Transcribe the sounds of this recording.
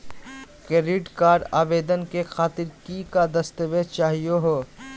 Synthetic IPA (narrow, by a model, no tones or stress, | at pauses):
keɾiːʈkaːɖa̰ːbeːd̪ənkexaːt̪ɪɾkikad̪ɐst̪əʋeːdt͡ʃaːɦijoɦoː